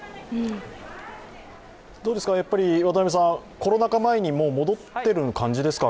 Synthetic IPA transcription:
ɯ̟̃ɴ | d̪̥o̞ːd̪e̞sɨ̥kajapːaɾʲiβat̪amʲes̬ãko̞ɾo̞nakamae̞ɲ̟imo̞ːmo̞d̪o̞t̪ːe̞ɾɯ̟nkãɲ̟d͡ʑid̪e̞sɨ̥ka

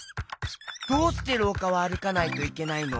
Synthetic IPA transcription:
d̪̥oːt̪ːe̞ɾo̞ːkaβaːɾɯ̟kanait̪o̞ike̞naino

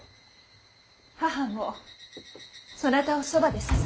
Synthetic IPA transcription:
hahamːo | sonat̪aosobad̪e̞sɨ̥

